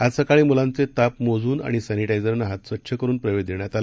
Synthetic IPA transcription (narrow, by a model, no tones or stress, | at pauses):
ad͡zsəkaɭiːmulant͡set̪apmod͡zuːna̰ɽ̃isæniʈajd͡zəɾnaɦat̪sʋət̪ːɕʰəkəɾuːnpɾəʋed̪jeɳjat̪al